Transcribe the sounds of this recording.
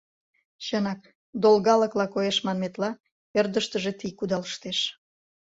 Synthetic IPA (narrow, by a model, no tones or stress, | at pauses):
ɕənɑk̚ | d̪olɣɑləklɑkojeʃmɑnmet̪lɑ | erd̪əʃt̪əʒet̪ikud̪ɑləʃt̪eʃ